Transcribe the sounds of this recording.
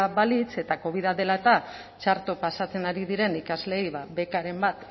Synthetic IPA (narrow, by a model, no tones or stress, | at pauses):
βalit͡se̞t̪ako̞β̞iðaðe̞laet̪a | t͡ʃaɾt̪o̞pasat͡se̞naɾiðiɾe̞nikazle̞jβabe̞kaɾe̞mbat̪